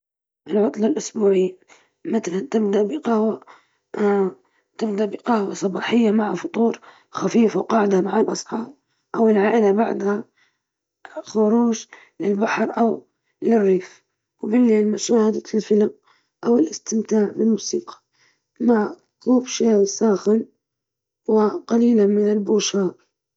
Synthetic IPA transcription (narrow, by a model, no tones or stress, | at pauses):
ʔɪlʕʊt̪ˤlɑlʔʊsbuːʕɪː | mat̪alant̪ɪbd̪aʔbɪqɑwa | t̪ɪbd̪aʔbɪqɑwasˤɑbɑːħɪjːamaʕafʊt̪ˤuːɾ | xafiːfawqɑːʕɪd̪amaʕalʔɑsˤħɑːɾ | ʔawɪlʕaːʔɪlabaʕd̪ha | xʊɾuːʒ | lɪlbaħɾˤʔaw | lɪrːiːf | wbɪlːeːlmʊʃaːhad̪aɪlfɪlam | ʔawɪlʔɪst̪ɪmt̪aːʕbɪlmuːsiːqɑ̥ | maʕ | kuːbʃaːsaːxɪn | wɪqɑliːlamɪnɪlbuːʃɑːɾˤ